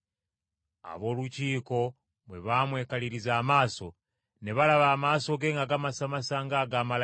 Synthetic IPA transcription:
a̰βo̞ːluciːko̞ | mweβamwe̞kaliɾizaːmaːso̞ | ne̞βalaβaːmaːso̞ɡe̞ːŋɡaɡamasamasaŋɡaɡaːmal

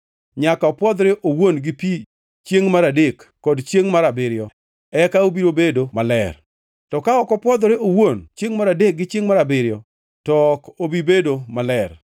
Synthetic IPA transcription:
ɲakaɔpwɔd̪ɾɪʔowonɡɪpi | t͡ʃjeŋmaɾadekːɔdt͡ʃjeŋmaɾabɪɾjɔ | ɛkaobiɾobedomalɛr | tɔkaɔkɔpwɔd̪ɾɪowont͡ʃjeŋmaɾadek̚ɡɪt͡ʃeŋmaɾabɪɾjɔ | tɔkobibedomalɛr

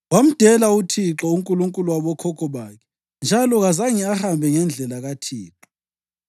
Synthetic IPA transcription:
wam̩d̥ʱɛlautʰiǁɔuŋkʼuluŋkʼuluwaβɔkʰɔkʰɔβakʰɛ̥ | nd͡ʒʱalɔɣazaŋiahambʱɛŋɛnd͡ɮʱɛlaɣatʰiːǁɔ

